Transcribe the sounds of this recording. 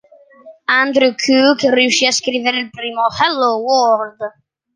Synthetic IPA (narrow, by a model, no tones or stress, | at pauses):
and̪ɾukʰukriuʃiaskɾiːveɾeilpɾiːmohɛlːowɔɾd̪